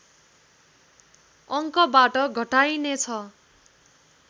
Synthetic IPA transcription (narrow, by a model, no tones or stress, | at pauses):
ʌŋkʌbaʈʌɡʱʌʈajnet͡sʰʌ